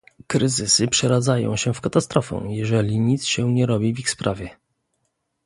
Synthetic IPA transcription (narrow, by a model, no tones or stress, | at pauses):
kɾɘzɘsɘpʂɛɾad̪zajɔ̰̃w̃ɕɛfkat̪ast̪ɾɔfɛ̰̃jɛʐɛlʲiɲit̪sɕɛɲɛɾɔbʲivixspɾʔavʲjɛ